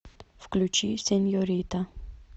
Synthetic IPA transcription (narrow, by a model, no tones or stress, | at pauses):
fklʲut͡ʃiːsɛnjɔɾit̪a